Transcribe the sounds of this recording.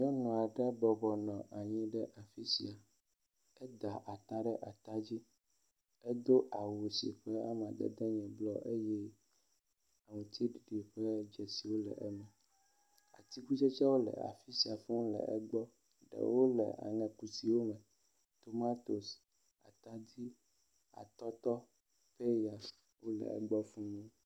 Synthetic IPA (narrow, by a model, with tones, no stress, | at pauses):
ɲ˦ɔ̃˦nɔ̃˨a˨ɖɛ˦bɔ˨bɔ˨nɔ̃˨ʔa˨ɲĩ˦ɖɛ˦ʔa˨fi˦sḭ˨a˨ | ɛ˦d̪a˨ʔa˨t̪a˦ɖɛ˦ʔa˨t̪a˦d͡ʑi˦ | ɛ˦d̪o˦ʔa˨wo˨sḭ˨ɸɛ˦a̰˦m˨a˨d̪ɛ̰˦d̪ɛ˦ɲɛ̃˨blɔ˦ʔe˦jɛ˦ | a˨mũ˨t̪ʰi˦ɖi˨ɖi˨ɸɛ˦d͡ʒɛ˨si˨wo˦lɛ̰˨ʔɛ˦mɛ̃˨ | a̰˨t̪i˦ku˦t͡ʃɛ˦t͡ʃa˦wo˦lɛ̰˨a̰˨fi˦si˨a˨fɛ̃˦lɛ̰˨ʔɛ˦ɡ͡bɔ˦ | ɖɛ̰˨wo˦lɛ̰˨a̰˨ŋɛ̃˨ku˨si˨wo˦mɛ̃˨ | t̪o˨ma˦t̪o˨s | a̰˨t̪a˦d̪i˦ | a̰˨t̪ɔ˦t̪ɔ˦ | pe˦ja˨s | wo˦lɛ̰˨ɛ̰˨ɡ͡bɔ˦fũ˦nũ˦